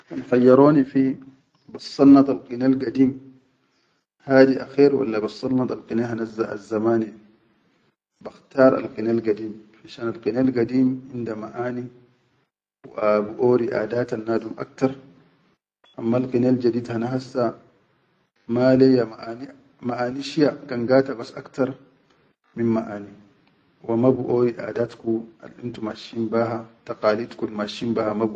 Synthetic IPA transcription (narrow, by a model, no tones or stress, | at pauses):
anxajːɑɾoːnifi | bɨsˤːɑnːɑt̪ˤalqinalɡadiːm | haːdiʔaxɛːɾwa̰lːabɨsˤːɑnːɑt̪ˤalqinehanazːaʔa̰zːamaːni | baxtaːɾˤa̰lqinalɡadiːmfaʃaːnalqinalɡadiːmʕɪndamaʔaːni | wʔabuʔoːɾiʔa̰daːtanːaːdumʔa̰k̚tɑɾˤ | ʔamːalqinald͡ʒadiːdhanaɦasːa | malɛjaman | maʔaːniʃijakanɡaːtabasaktaɾˤ | minmaʔaːni | wamabuʔoːɾiʔa̰ːdatkua̰lʔintumaʃimbaːɦataqaːlit̪kulmaʃimbahamabu